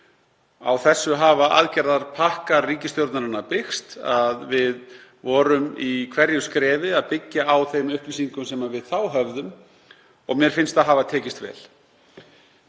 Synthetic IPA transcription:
a̰wθɛsːʏɦaːvaʔa̰ðcɛɾðaɾ̥pʰahkariːcɪst̪jowɾt̪naɾɪnːapɪxst̪aðvɪðvɔːɾʏmikʰvɛɾjʏskɾɛːvɪaðpɪcːaawθejmʏhpvisiŋkʏmsɛmaðvɪðθawɦœvðʏm | ɔ̰ɣmjɛɾ̥fɪnst̪aðɦavat̪ʰɛːcɪst̪vɛ̰ːl

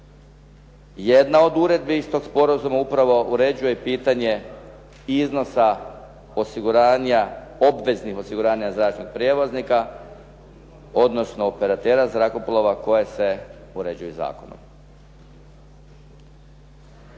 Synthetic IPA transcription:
je̞d̪nao̞d̪uɾe̞d̪̚bist̪o̞ɡspo̞ɾazumaupɾaʋo̞ʔuɾe̞d͡ʑuje̞piːt̪aɲe̞ | izno̞sa | o̞siɡuɾaːɲao̞bʋe̞znixo̞siɡuɾaːɲazɾaːt͡ʃnoɡ̚pɾjeːʋoznika | o̞d̪no̞sno̞ːpe̞ɾat̪eːɾazɾakoplˠoʋako̞jese̞ | uɾe̞d͡ʑujuza̰ːkono̰m

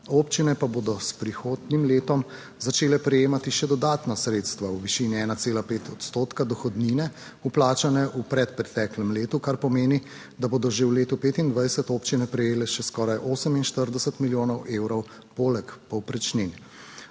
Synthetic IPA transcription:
oːpt͡ʃinɛpaboːd̪ɔspɾixoːd̪nimleːt̪ɔm | zat͡ʃeːlɛpɾɛjeːmat̪iʃɛd̪ɔd̪aːt̪nasɾeːt̪st̪ʋauʋiʃiːniɛːnat̪seːlapeːt̪ʰɔt̪st̪oːt̪kad̪ɔxɔd̪niːnɛ | uplaːt͡ʃanɛʔupɾɛt̪pɾɛt̪ɛːklɛmleːt̪ukaɾpɔmeːni | d̪aboːd̪ɔʒewleːt̪upeːt̪ind̪ʋajsət̪oːpt͡ʃinɛpɾɛjeːlɛʃɛskɔːɾajʔoːsəminʃt̪əɾd̪ɛsət̪miljoːnɔwʔeːwɾɔw | poːlɛkpɔwpɾɛt͡ʃnin

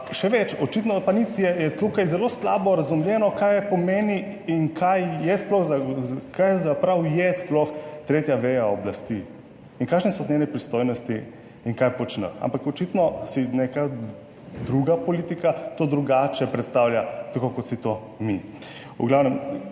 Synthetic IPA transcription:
ʃɛʋɛt͡ʃɔt͡ʃit̪nɔpanit̪ijɛjɛt̪ukajzɛloːsla̰ːbɔɾazumljɛnɔkajɛpɔmeːniːŋkʰajjɛsplɔxzakajɛzapɾawjɛsplɔxt̪ɾeːt̪jaʋejaɔblast̪i | iŋkaːkʃnɛsɔznɛnɛpɾist̪oːjnɔst̪iː | ŋkajpɔt͡ʃnə̰ta̰mpakɔt͡ʃit̪nɔsineka | d̪ɾuɡapɔliːt̪ikat̪oːd̪ɾuɡaːt͡ʃɛpɾɛt̪st̪aːwljat̪akokɔt̪sit̪o | mi | ṵɡlawnɛm

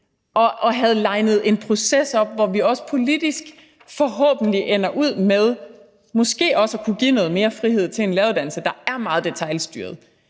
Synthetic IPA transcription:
ʔɒ̽ʔɒ̽ɦæð̞̩ˠlɑ̈ɪnəð̞̩ˠe̝npʰʁo̝sesɒ̽b̥̚ʋɒʋiɒ̽sə̥pʰo̝lid̥isɡ̥ | fɒ̽ɦɔ̰̽ːb̥n̩liʔenɐʔuð̰ˠmeð̞ˠ | mɔ̽sɡ̥e̝̰ːɒ̽sækʰuɡ̥ḭnɔ̽ːð̩ˠme̝ːɐfʁihe̝ð̞̰ˠt͡sʰe̝e̝nlɛɐuðˠdænl̩səd̥ɑ̈æɐmɑ̈ːð̩ˠd̥e̝t͡sʰɑ̈ɪlsd̥y̰ːɐð̩ˠ

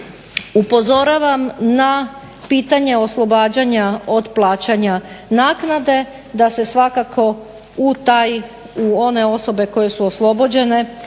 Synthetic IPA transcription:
upo̞zo̞ɾaʋamna | piːt̪aɲe̞o̞slˠo̞baːd͡ʑaɲao̞d̪plˠaːt͡ɕaɲanaːknad̪e̞ | d̪ase̞sʋakakʰo̞ | ut̪aj | uo̞ne̞o̞so̞be̞ko̞je̞suoslˠo̞bo̞d͡ʑe̞ne̞

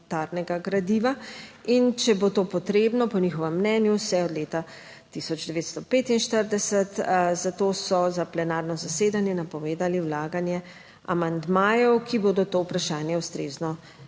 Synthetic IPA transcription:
t̪aɾnɛɡaɡɾad̪iʋaint͡ʃɛbot̪oːpɔt̪ɾeːbnɔpɔniːxɔʋɛmːnɛːnjusɛɔd̪leːt̪a | t̪isɔd͡ʒd̪ɛʋeːt̪st̪ɔpeːt̪inʃt̪əɾd̪ɛsɛt̪zat̪oːsɔzaplɛnaːɾnɔzaseːd̪anjɛnapɔʋeːd̪aliwlaːɡanjɛ | a̰mand̪maːjɔwkʰiboːd̪ɔt̪owpɾaʃaːnjɛust̪ɾeːznɔ

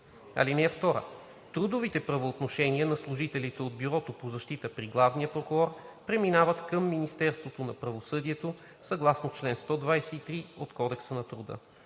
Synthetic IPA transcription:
ɐ̰linɛɛft̪ɔɾə̰ | t̪ɾud̪ovit̪ɛpɾɐvoːt̪noʃɛniənɐslˠʊʒit̪ɛlit̪ɛod̪̚biɾɔt̪opozɐʃt̪it̪əpɾiɡlˠavnijəpɾokʊɾɔɾpɾɛminavət̪kəmːinist̪ɛɾst̪vot̪onɐpɾɐvosɤd̪iɛt̪o | sɐɡlˠasnoft͡ʃlɛnst̪ɔd̪vajsɛit̪ɾiot̪kɔd̪ɛksənɐt̪ɾud̪ə̰

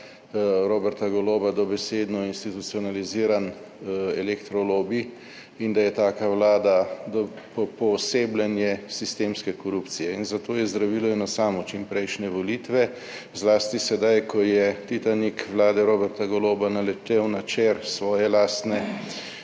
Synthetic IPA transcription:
ɾoːbɛɾt̪aɡɔloːbad̪ɔbɛseːd̪nɔinst̪it̪ut̪siɔnaliziːɾan | ɛlekt̪ɾɔloːbi | ind̪ajɛt̪aːkawlaːd̪ad̪ɔ | pɔpɔseːblʲanjɛsist̪eːmskɛkɔɾupt̪sijɛinzat̪oːjɛzd̪ɾaʋiːlɔɛnɔsaːmɔt͡ʃimpɾɛjʃnɛʋɔliːt̪ʋɛ | zlaːst̪isɛd̪ajkʰɔjɛt̪it̪anikʋlaːd̪ɛɾoːbɛɾt̪aɡɔloːbanalɛt̪ewnat͡ʃeɾsʋɔːjɛlaːst̪nɛ

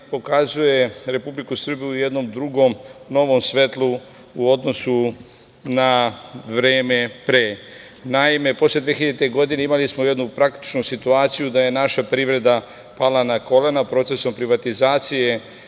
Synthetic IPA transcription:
po̞kazuje̞ɾe̞publikusr̩bijujed̪no̞md̪ɾuɡo̞mno̞ʋo̞msʋe̞t̪lu | uo̞d̪no̞su | naʋɾeːme̞pɾe̞ː | naime̞po̞sle̞d̪ʋeçiʎet̪eɡo̞d̪ineimalismojed̪nupɾak̚t̪i̥t͡ʃnusit̪uaːt̪sijud̪aje̞naʃapɾiʋɾe̞d̪a | palanako̞lenapɾo̞t̪se̞so̞mpɾiʋat̪izaːt̪sije̞

